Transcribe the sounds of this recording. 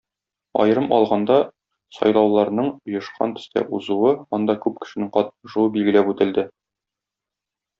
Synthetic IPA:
ɒ̰jɤ̆ɾɤmɒ̰lˠʁɑnd̪ɑ | sɒ̰jlˠɑwlˠɑɾnɤɴŏjɤ̆ʃqɑ̰nt̪ɘ̥̆st̪æ̰ʔuzuwɤɒnd̪ɑkʉp̚kɘ̥̆ʃɘ̆nɘɴqɒt̪̚ʃuɤbilɡɘ̆læpʉt̪ɘ̆ld̪ɘ

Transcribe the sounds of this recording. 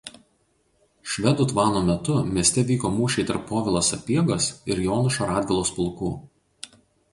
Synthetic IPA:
ʃʲʋʲɛd̪uːt̪ʋɑːnoːmʲɛt̪ʊmʲiɛsʲt̪ʲɛʋʲiːkoːmuːʃʲɛɪt̪ɐɾpːoːʋʲɪlˠoːsɐpʲiɛɡosɪɾjoːnʊʃoɾɑːd̪ʲɡʲɪlˠoːspʊlˠkuː

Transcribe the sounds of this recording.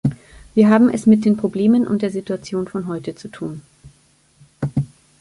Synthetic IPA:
viːɐɦaːbm̩ʔɛ̰smɪt̚d̥eːnpʁ̥obleːmənʔʊ̰ntd̥eːɐzituat͡sjoːnfɔnɦɔʏtət͡sutʰuːn

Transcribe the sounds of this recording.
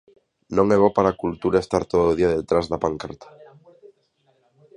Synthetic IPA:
nõŋeβ̞opaɾakult̪uɾaest̪aɾt̪oðooðiaðet̪ɾazðapaŋkaɾt̪ʰḁ

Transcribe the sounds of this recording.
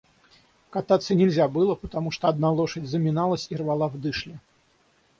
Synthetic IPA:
kat̪at̪sːɐnʲɛlʲzʲabɨlˠɐpɐt̪amuʂt̪ɔad̪nalˠɔʂɐd͡zʲzɐmʲinalˠɐsʲirvalˠavd̪ɨʂlʲi

